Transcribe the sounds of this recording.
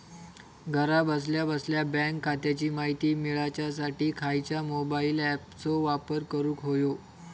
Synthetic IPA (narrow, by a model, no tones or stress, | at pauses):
ɡʱəɾabəsljabəsljabɛ̃ŋkʰːat̪jat͡ɕiːmaɦit̪iːmiɭat͡ɕasaʈiːkʰajt͡ɕjamobailæp̚t͡soʋapəɾkəɾuːkɦojo